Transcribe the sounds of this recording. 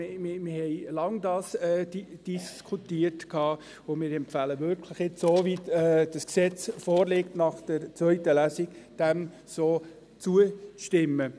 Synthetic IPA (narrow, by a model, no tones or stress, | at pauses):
mɪmɪhɛɪlɑŋdɑːsɛdd̥iskʰutiːəɾtkʰɑː | ʊmɪːɾɛmpfæləvʏɾkʰləχɪt͡ssoːviɛd̥ɑsksɛt͡sfɔːɾlɪktnɑχd̥əɾt͡sʋœʏtəlæsɪɡd̥ɛm | soː | t͡suət͡sʃtɪmːə